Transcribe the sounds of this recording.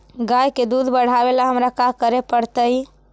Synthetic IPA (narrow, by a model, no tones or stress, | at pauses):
ɡajked̪ud̪ʱbəɽ̤abelaɦəmɾakakəɾepəɽt̪əj